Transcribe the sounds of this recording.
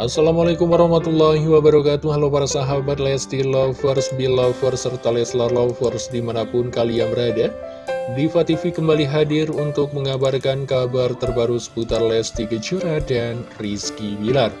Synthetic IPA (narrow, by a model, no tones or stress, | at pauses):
ʔasːalamalakumwaɾɑhmat̪ulːaɦiwabaɾakat̪uahlapaɾasaɦabat̪̚lɛst̪ilɔfərsbilɔfərsərt̪alɛslalɔfərsdimanapʊnkalijaŋbəɾada | difat̪ifikəmbaliɦadɪrunt̪ʊk̚məŋabarkankabart̪ərbaɾusə̥put̪arlɛst̪iɡəd͡ʒuɾadanriskibilar